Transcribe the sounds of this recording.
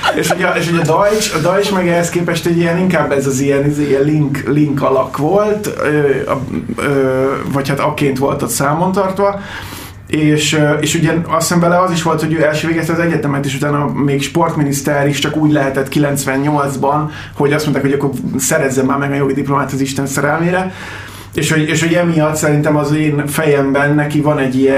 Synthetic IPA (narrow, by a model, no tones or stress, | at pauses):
eːʃoɟɛeːʃhoɟɒd̪ɒjt͡ʃɒd̪ɒjt͡ʃmɛɡɛɦɛskeːpɛʃt̪ɛɟiɛniŋkaːbːɛzɒziɛnizeːjɛlliŋkliŋkɒlɒkʋo̞lt̪ø̰ː | øːvɒchat̪ɒkeːnt̪ʋo̞̰lt̪ot̪saːmo̞nt̪ɒrt̪ʋɒ | eːʃøeːʃuɟɛɒsɛɱvɛlɛɒziʃʋo̞lt̪ho̞ɟøːɛlʃøːveːɡɛst̪ɛːzɛɟɛt̪ɛmɛt̪eːʃut̪aːnɒmeːkʃpo̞rt̪minist̪ɛɾiʃt͡ʃɒkuːɟlɛɦɛt̪ɛt̪ːkilɛnt̪sʋɛɲːo̞ld̪zbɒn | ho̞ɟɒst̪mont̪aːkhoɟɒkːo̞rsɛɾɛzːɛmːaːrmɛɡɒjoɡid̪iplo̞maːt̪ɒziʃt̪ɛnsɛɾɛlmeːɾɛ | eːʃhoɟeːʃoɟɛmijɒt̪sɛɾint̪ɛmɒzeːnfɛjɛmbɛnːɛkivɒnɛɟːijɛ